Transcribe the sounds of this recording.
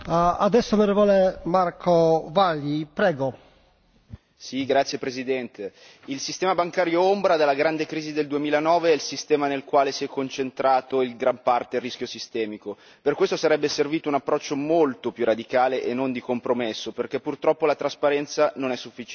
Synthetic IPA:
ad̪ɛsːonoɾɛːvolemaɾkʰovalːipɾɛːɡo | siɡɾat̪sːjepɾezid̪ɛnt̪e | ilsist̪ɛːmabaŋkaːɾjoombɾad̪alːaɡɾand̪ekɾiːzid̪eld̪uemiːlaenɔːveilsist̪ɛːmanelkwaːlesiɛkːont͡ʃent̪ɾaːt̪oilɡɾampart̪erːisk̟josist̪ɛːmiko | perkwest̪osaɾɛbːeserviːt̪ounapːɾɔt͡ʃːomolt̪opjurad̪ikaːleʔenːond̪ikompɾomesːoperk̟epːurt̪ɾɔpːolat̪ɾaspaɾɛnt̪sanonɛsːufːi

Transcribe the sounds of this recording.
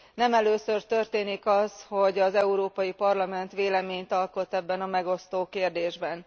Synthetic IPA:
nɛmɛløːsørt̪ørt̪eːnikɒshoɟɒzɛuɾoːpɒjipɒrlɒmɛnt̪ʋeːlɛmeːɲt̪ɒlko̞t̪ːɛbːɛnɒmɛɡo̞st̪oːkeːrd̪eːʒbɛn

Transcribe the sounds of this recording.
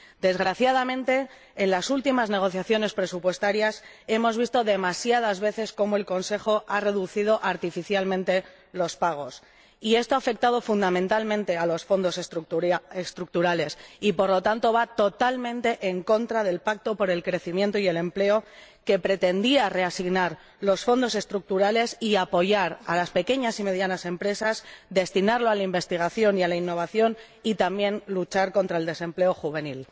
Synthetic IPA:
d̪e̞zɣ̞ɾaθjað̞amẽnt̪e̞ː | nlasult̪imazne̞ɣ̞o̞θjaθjo̞ne̞spɾe̞supwe̞st̪aɾjase̞mo̞zβ̞ist̪o̞ðe̞masjað̞azβe̞θe̞sko̞moe̞lko̞nse̞xo̞are̞ðuθiðo̞ʔaɾt̪ifiθjalmẽnt̪e̞ | lo̞spaɣ̞o̞s | ie̞st̪o̞afe̞k̚t̪aðo̞fund̪amẽnt̪almẽnt̪e̞alo̞sfo̞nd̪o̞sesɾuest̪ɾuk̚t̪uɾale̞sipo̞ɾlo̞t̪ant̪o̞βat̪o̞t̪almẽnt̪e̞ʔeŋko̞nt̪ɾaðe̞lpak̚t̪o̞po̞ɾe̞lkɾe̞θimjent̪oie̞le̞mple̞o̞ | ke̞pɾe̞t̪e̞nd̪iare̞asiɣnaɾ | lo̞sfo̞nd̪o̞se̞st̪ɾuk̚t̪uɾale̞siapo̞ʝaɾa̰laspe̞ke̞ɲasime̞ð̞janase̞mpɾe̞sasd̪e̞st̪inaɾlo̞alaimbe̞st̪iɣ̞aθjo̞nialainːo̞β̞aθjo̞n | it̪ambjẽ̞nlut͡ʃaɾko̞nt̪ɾaeld̪e̞se̞mple̞o̞xuβe̞nil

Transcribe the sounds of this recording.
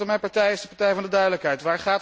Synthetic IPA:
ɔmɛjpɑɹtɛjɪsdəpɑɹtɛjvɑndədœɥdələkɦɛjtʋaːɹχaːt

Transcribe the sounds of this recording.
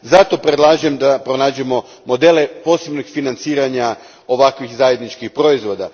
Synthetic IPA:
zat̪o̞pɾed̪lˠaːʒemd̪apɾo̞naːd͡ʑemo̞ | mo̞d̪e̞lepo̞ːse̞bnoɡfinant̪siːɾaɲa | o̞ʋakʋixzaje̞d̪nit͡ʃkixpɾo̞izʋo̞ːd̪a

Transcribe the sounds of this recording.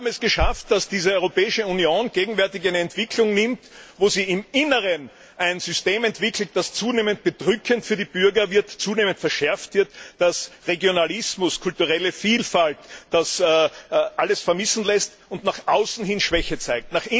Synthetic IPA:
bm̩ɛsɡ̥əʃaftd̥asd̥iːzəɔʏʁopɛːɪʃəunjoːnɡ̥eːɡŋ̩vɛɐtɪçaæɪnəɛntv̥ɪkʰlʊŋnɪmtvoːziːɪmɪnəʁən | ʔæɪnzʏsteːmɛntv̥ɪkl̩t̚d̥ast͡suːneːmənt̚b̥əd̥ʁʏkʰəntfyːɐdib̥ʏɐɡɐvɪɐtt͡suːneːməntfɛɐʃɛɐftv̥ɪɐtd̥asʁeɡjonalɪsmʊskʰʊltuʁɛləfiːlfaltd̥as | ʔaləsfɛɐmɪsn̩lɛst | ʊntnaχʔaʊsn̩ɦɪnʃv̥ɛçət͡sæɪk̚tnaχɪ

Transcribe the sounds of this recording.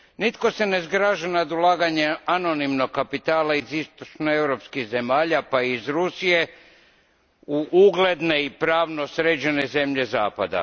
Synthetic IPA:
nit̪ko̞se̞nezɡɾaːʒanad̪ulaːɡaɲeano̞nimno̞ɡ̚kːapit̪aːlaizist̪ot͡ʃnoewɾo̞pskiɣze̞maːʎapaiizɾusije̞ | uʔuɡle̞d̪ne̞ipɾaːʋnosɾed͡ʒeneze̞mʎe̞zaːpa̰d̪a̰

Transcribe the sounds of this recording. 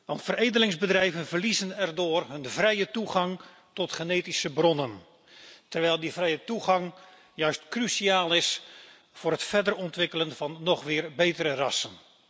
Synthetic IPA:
ʋɑntfərejdənɪŋzbədrɛjvənvərlizənɛrdʊːrɦɵnvrɛjətuɣɑŋ | tɔtχəneːtisəbrɔnən | tərʋɛjlˠdivrɛjətuɣɑŋ | jœɥstkrysiaːlˠɪs | vʊːrɦətfɛdərɔntʋɪkələnvɑnːɔχʋɪːrbejtəɾərɑsən

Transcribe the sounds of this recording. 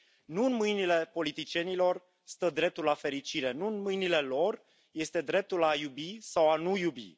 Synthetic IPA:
nuɨnmɨjnile̞po̞lit̪it͡ʃie̞nilo̞r | st̪əd̪ɾe̞p̚t̪ulafe̞ɾit͡ʃiɾe̞nuɨnmɨjnile̞lo̞r | je̞st̪e̞d̪ɾe̞p̚t̪ulajubisawanujubḭ

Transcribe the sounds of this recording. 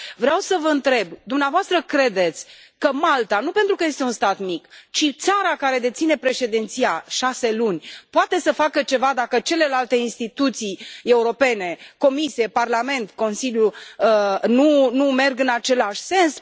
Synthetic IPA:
vɾeawsəvəɨnt̪ɾe̞bd̪umneavoast̪ɾəkɾe̞d̪e̞t̪sʲ | kəmalt̪anupent̪ɾukəje̞st̪eunst̪at̪mikt͡ʃit̪saɾakaɾe̞d̪e̞t̪sine̞pɾe̞ʃe̞d̪ent̪siaʃase̞lunʲpoat̪e̞səfakət͡ʃe̞vad̪akət͡ʃe̞le̞lalt̪e̞inst̪it̪ut̪sije̞uɾo̞pe̞ne̞ko̞misie̞parlame̞nt̪ko̞nsiljuənunume̞rɡɨnat͡ʃe̞laʃʲse̞ns

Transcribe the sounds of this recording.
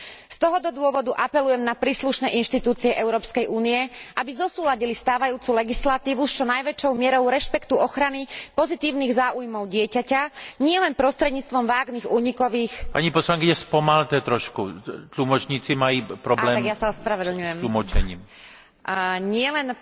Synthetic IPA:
st̪ɔɦɔd̪ɔd̪ʊɔʋɔd̪uʔapɛlujɛmnapɾiːsluʃnɛːʔinʃt̪it̪uːt͡siɛʔɛʊɾɔːpskɛjʔuːniɛʔabizɔsuːlaɟilist̪aːʋajuːt͡sulɛɡislat̪iːʋust͡ʃɔnajʋɛt͡ʃɔʊmɪɛɾɔʊɾɛʃpɛkt̪uɔxɾanipɔzit̪iːʊniːɣzaːʔujmɔʊɟɪɛcacaɲɪɛlɛnpɾɔst̪ɾɛd̪ɲiːt͡st̪ʋɔmʋaːɡniːɣuːɲikɔʋiːxpaɲipɔslaŋkiɲɛspɔmalut̪ɛːt̪ɾɔʃkut̪lumɔt͡ʃɲiːt͡simajipɾɔblɛːaɡjasaɔspɾaʋɛd̪l̩ɲujɛmlumɔt͡ʃɛ̰ɲiːm | ɲɪɛlɛn

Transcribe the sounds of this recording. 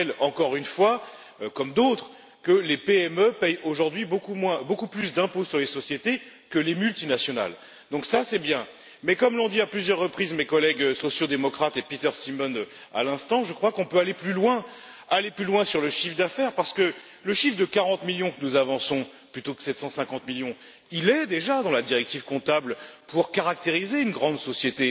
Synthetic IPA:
ɛlɑ̃kɔʁynfwa | kɔmd̪ot̪χ | kəlepeɛmøpɛjoʒuʁd̪ɥibokumwɛ̃bokuplys̬d̪ɛ̃posyʁlesɔsjet̪e | kəlemylt̪inasjɔna̰l | d̪ɔ̃ksasɛbjɛ̃ | mɛkɔmlɔ̃d̪iaplyzjœʁːəpχizmekɔlɛɡøsɔsjod̪emɔkχat̪epit̪œʁsimɔnø | a̰lɛ̃st̪ɑ̃ʒəkχwakɔ̃pøaleplylwɛ̃ | aleplylwɛ̃syʁləʃifd̪afɛʁpaʁsə̥kə | ləʃifd̪əkaʁɑ̃t̪miljɔ̃kənuzavɑ̃sɔ̃ | plyt̪okə̥sɛt̪sɑ̃sɛ̃kɑ̃t̪miljɔ̃ | ilɛd̪eʒad̪ɑ̃lad̪iʁɛk̚t̪iv̥kɔ̃t̪ablpuʁkaʁak̚t̪eʁizeynɡʁɑ̃d̪sɔsjet̪e

